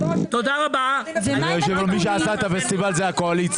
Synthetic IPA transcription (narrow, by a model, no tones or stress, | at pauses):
t̪od̪aʁabaeʃevlmiʃ̬easaet̪afest̪ivalzeakoalit̪t͡s